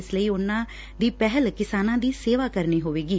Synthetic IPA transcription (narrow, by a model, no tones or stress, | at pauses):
ɪsləiːʊnːãː | d̪iːpɛɦəlkɪsaːnãːd̪iːseːʋaːkəɾniːɦoːʋeːɡiː